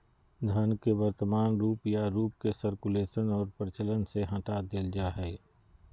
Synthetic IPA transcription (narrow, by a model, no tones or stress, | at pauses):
d̪ʱɐnkeʋəɾt̪əmaːnɾuːpjaɾuːp̚kesəɾkuleːʃənɔːɾpəɾɪt͡ʃələnseɦɐ̃ʈad̪eld͡ʒaːɦɛː